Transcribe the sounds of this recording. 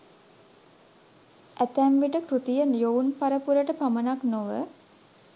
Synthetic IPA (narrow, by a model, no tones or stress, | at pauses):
ʔæt̪æmʋiʈəkɾut̪ijənjowunpaɾəpuɾəʈəpamənaknoʋə